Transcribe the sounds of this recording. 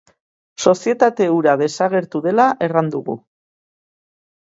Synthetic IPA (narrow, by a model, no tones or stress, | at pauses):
so̞sie̞t̪at̪e̞uɾaðe̞saɣe̞ɾt̪uðe̞laʔe̞rand̪uɣṵ